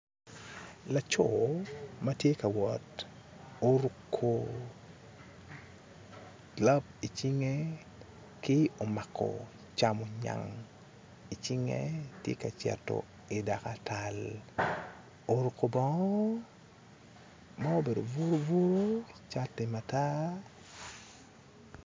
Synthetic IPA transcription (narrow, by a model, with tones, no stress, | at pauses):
la˨t͡ʃo | ma˦tje˦ka˨wɔt | o˦ɾu˨kʰːo | ɡla˦b̚i˨t͡ʃi˦ŋe˦ | kɪ˦o˨ma˨kʰɔ̰ | t͡ʃamo˨ɲa̰˨ŋ | i˨t͡ʃi˦ŋḛ˦tjḛ˦ka˨t͡ʃɛ̰˨tːo̰˨ | i˨da˨ka˨tʰal | o˨ɾu˨kʰːo˨bɔ˦ŋɔ˦ | ma˦o˦be˨do̰˨vu˦ɾo˦vu˦ɾo˦t͡ʃa˦tːe˨ma˨ta˦